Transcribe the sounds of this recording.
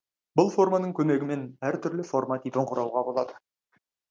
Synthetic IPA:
bʊlˠfo̞rmɑnəɴkʲʰɵme̞ɡʲɪme̞næɾt̪ʰʏɾlɪfo̞rmɑt̪ʰipɪɴqʰʊɾɑwʁɑbo̞lˠɑd̪ə

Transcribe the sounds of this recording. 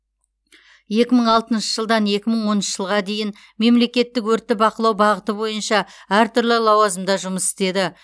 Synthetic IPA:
je̞kʲɪməɴɑlˠt̪ənʃəʒ̥əlˠd̪ɑnje̞kʲɪməɴwo̞nənʃə̥ʒ̥əlˠʁɑd̪e̞jɪn | me̞mle̞kʲe̞t̪ːɪkwɵɾt̪ːɪbɑqəlˠɑwbɑʁət̪əbo̞jənʃɑæɾt̪ʰʏɾlɪlˠɑwɑzəmd̪ɑʒʊməsɪ̥st̪e̞d̪ɪ

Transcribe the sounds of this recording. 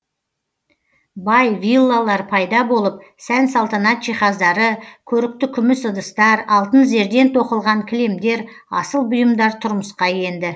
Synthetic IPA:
bɑjvʲilˠːalˠɑɾpʰɑjd̪ɑbo̞lˠəp̚sænsɑlˠt̪ɑnɑt̪ʒ̥ijχɑzd̪ɑɾəkʲʰɵɾɪk̚t̪ɪkʲʰʏmɪsəd̪əst̪ɑɾɑlˠt̪ənze̞ɾd̪e̞nt̪ʰo̞qəlˠʁɑŋkʲʰɪle̞md̪e̞ɾ | ɑ̰səlˠbʊjəmd̪ɑɾt̪ʰʊɾməsqɑje̞nd̪ɪ

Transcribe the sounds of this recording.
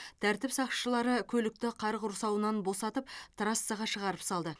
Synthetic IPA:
t̪ʰæɾt̪ɪpsɑqʃəlˠɑɾəkʲʰɵlɪk̚t̪ɪqʰɑɾqʊɾsɑwənɑnbo̞sɑt̪əp̚t̪ʰrast̪sɑʁɑʃəʁɑɾəpsɑlˠd̪ə

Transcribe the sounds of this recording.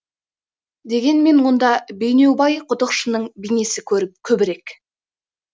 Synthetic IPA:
d̪e̞ɡʲe̞nme̞nwo̞nd̪ɑbejne̞wbɑjqʰʊt̪əqʃənəɴbijne̞sɪkʲʰɵɾɪp̚kʲʰɵbɪɾe̞kʲ

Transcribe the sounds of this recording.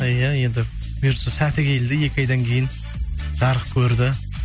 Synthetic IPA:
jaje̞nd̪ɪ | bijɾsəsæt̪ɪkʲʰe̞ld̪ɪje̞kʲɪɑjd̪ɑŋkʲʰe̞jɪn | ʒ̥ɑɾəq̚kʲʰɵɾd̪ɪ

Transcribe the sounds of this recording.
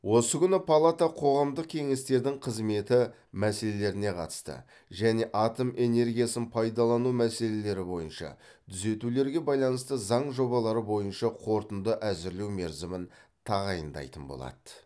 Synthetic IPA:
wo̞səkʲʰʏnɪpʰalˠat̪aqʰo̞ʁɑmd̪əq̚kʲʰe̞ŋe̞st̪e̞ɾd̪ɪŋqʰəzme̞t̪ɪ | mæse̞le̞le̞ɾɪne̞qʰɑ̰t̪ə̥st̪ə̰ | ʒæne̞ʔɑt̪omʔe̞ne̞ɾɡʲijasənpʰɑjd̪ɑlˠɑnumæse̞le̞le̞ɾɪbo̞jənʃɑ̰ | t̪ʰʏze̞t̪ule̞ɾɡʲe̞bɑjlˠɑnəst̪əzɑɴʒo̞bɑlˠɑɾəbo̞jənʃɑqʰo̞ɾt̪ənd̪əʔæzɪɾlewme̞ɾzɪmɪnt̪ʰɑʁɑjənd̪ɑ̰jt̪ənbo̰lˠɑ̰d̪̥ə

